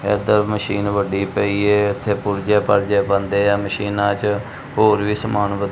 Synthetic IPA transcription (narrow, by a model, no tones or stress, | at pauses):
ɛ̰ːd̪əməʃiːnʋəɖiːpəiːɛːɪt̪ʰːeːpʊɾd͡ʒɛːpəɾd͡ʒeːpənd̪eːaːməʃiːnãːt͡ʃ | ɦoːɾʋiːsəmaːnbət̪